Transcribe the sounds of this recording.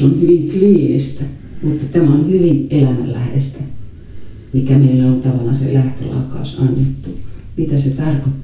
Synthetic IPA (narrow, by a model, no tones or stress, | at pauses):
onhyʋiŋkliːnḭst̪æ | mut̪ːɑt̪æmæonhyʋinelæmæ̰llæhḛst̪æ | mikæmeilːæolt̪ɑʋɑlɑsḛlæht̪ø̰lɑ̰ːkːˑɑ̰usɑnːet̪ːumit̪æset̪ɑrkot̪ː